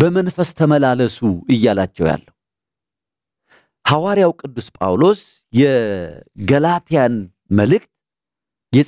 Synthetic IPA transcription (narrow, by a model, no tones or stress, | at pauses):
bəmənfəst̪ʰəməlaləsuɨjːalat͡ʃːɛwja̰lːəhu | hawaɾijawkʼɨd̪ːuspʼa̰wlo̞s | jɛ | ɡəlat̪ʰijan | məlɨk̚t̪ | jɛ